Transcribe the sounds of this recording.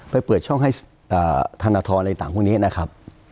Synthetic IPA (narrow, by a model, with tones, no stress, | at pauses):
pa˧jpɤː˨˩t̪̚t͡ɕʰɔ˥˩ŋɦa˥˩j | ʔaː˨˩t̪ʰa˧naː˧t̪ʰɔː˧nla˧t̪aː˨˩ŋʰu˥˩ŋni˦˥˨na˦˥kʰɾa˦˥p̚